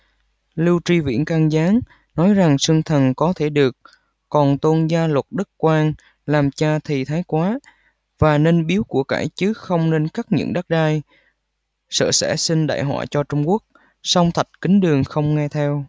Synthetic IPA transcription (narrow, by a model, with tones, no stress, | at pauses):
lɨ˧wt͡ɕi˧vḭ˧˥ənka˧ŋzaː˨˦ŋ | nɔ˨˦jza˨˩ŋsɨ˧ŋt̪ʰə˨˩nkɔ˨˦t̪ʰe˧˩ɗɨ˨˩ək̚ | kɔ˨˩nt̪o˧nzaː˧lwə˨˩t̚ɗə˦˥k̚kwaː˧ŋ | laː˨˩mt͡ɕaː˧t̪ʰi˨˩t̪ʰaː˨˦jkwaː˨˦ | vaː˨˩ne˧nɓi˨˦əwku˧˩əka̰ː˧˩jt͡ɕɨ˨˦xə˧wŋ͡mne˧nkaː˦˥k̚ɲɨ̰˧˥ŋɗa˦˥t̚ɗaː˧j | sə̰ː˧˩sɛ̰˧˥sï˧ŋ̟ɗa̰ː˧˨jɦwa̰ː˧˨˩t͡ɕɔ˧t͡ɕʊ˧ŋ͡mku˦˥ək̚ | sɔ˧wŋ͡mt̪ʰə˨˩t̚kï˨˦ŋ̟ɗɨ˨˩əŋxə˧wŋ͡mŋɛ˧t̪ʰɛ˧w